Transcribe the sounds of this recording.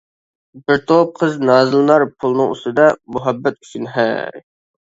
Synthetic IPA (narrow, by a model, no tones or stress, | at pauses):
bɪɾt̪ʰop̚qʰəznɑːzɨlˠnɑɾpʰulˠnɨŋṵst̪ɨd̪ɑmuɦɛbːɛt̪̚y̥t͡ʃʰynɦæ̰